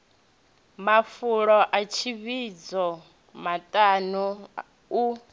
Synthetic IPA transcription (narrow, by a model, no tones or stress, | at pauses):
mafuɺɔʔat͡ʃʰiβid͡zɔ | matʼanu | u